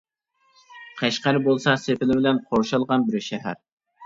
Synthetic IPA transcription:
qʰɛʃqæɾɪbolˠsɑsepɪlɪbɪlɛnqʰoɾʃɑlˠʁɑnbɪɾʃɛɦæ̰ɾ

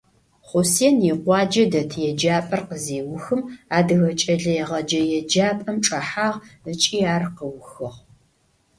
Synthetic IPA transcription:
χʷʊseːnjiqʷɑːd͡ʒɐdɐtʰjɛd͡ʒaːpʼɐrqəzeːwʊxɨmaːdɨɣɐt͡ʃʼɐɮɐjɛʁɐd͡ʒɐjɛd͡ʒaːpʼɐmʈ͡ʂʼɐħaːʁət͡ʃʼiːaːrqəwʊxɨʁ

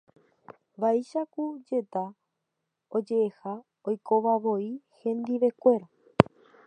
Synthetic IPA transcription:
ʋaiʃakud͡ʒe̞t̪a | od͡ʒe̞eha | ojkʰo̞ʋaʋo̞ihẽ̞nd̪iʋe̞kʷe̞ɾa

